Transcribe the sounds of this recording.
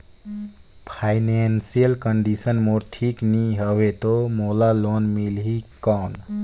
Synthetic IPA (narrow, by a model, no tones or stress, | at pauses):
pʰajnensijəlkəɳɖisənmoʈʰikniɦəwet̪omolalonmilɦikɔn